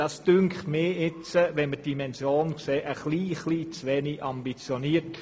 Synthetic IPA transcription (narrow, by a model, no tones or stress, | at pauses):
ɑsd̥ʏŋkχtmɪːɪt͡səʋɛnməd̥imɛnsjoːnkseːʔəχliːχliːt͡sʋɛniʔɑmbit͡sjoniːərt